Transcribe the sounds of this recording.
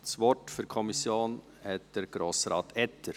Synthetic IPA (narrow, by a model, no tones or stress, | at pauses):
sʋɔtfyɾkʰɔmɪsjoːn | hɛt̪̚d̪̥ɛɾɡ̥ɾoːsɾɑːt̪ʰɛt̪ʰəɾ